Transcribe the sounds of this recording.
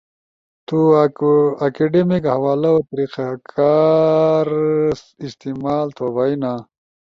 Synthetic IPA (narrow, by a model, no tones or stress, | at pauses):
t̪u | akeɖemikɦɐwaːlaot̪ɐɾiːqakʰaːɾ | ist̪imaːlt̪ʰobaina